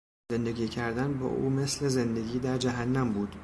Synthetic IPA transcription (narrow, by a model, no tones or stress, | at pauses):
zend̪e̞ɡʲiːcʰæɾd̪ænbɒ̰ːʔṵːme̞sle̞ze̞nd̪e̞ɡʲiːd̪æɾd͡ʒæɦænːæmbuːd̪̥